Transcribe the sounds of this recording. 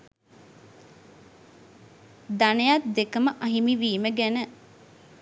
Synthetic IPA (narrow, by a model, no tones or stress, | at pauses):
d̪anejat̪̚d̪ekəməʔɐɦimiʋiːməɡænə